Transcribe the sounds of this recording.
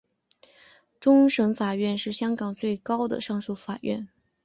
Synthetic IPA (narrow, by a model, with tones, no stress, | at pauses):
ʈ͡ʂʊ˥ŋʂə˧˥nfa˨˩ɥɛ˥˧nʂɻ̩˥˩ɕjɑ˥ŋkɑ˨˩ŋt͡swe˥˩ɪkɑ˥ʊd̪ə̰˨ʂɑ˥˧ŋsu˥˩fa˨˩ɥɛ̰˥˩n